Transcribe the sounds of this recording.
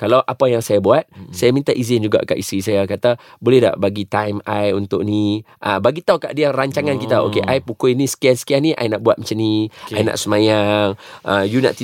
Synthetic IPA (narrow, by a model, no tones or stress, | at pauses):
kalawʔapajaŋsajabuat̪̚sajamĩnt̪aʔizɪnd͡ʒuɡa̰ʔka̰ʔist̪ɾisajakat̪abolɛhda̰ʔbaɡit̪ajmajunt̪ʊʔni | ʔabaɡit̪auwkaʔdiaraɲt͡ʃaŋankit̪ao̰keʔajpukoinĩsə̥kiansə̥kianĩʔa̰jnaʔbuat̪̚mat͡ʃaniajna̰ʔsəmajaŋəjuna̰ʔt̪i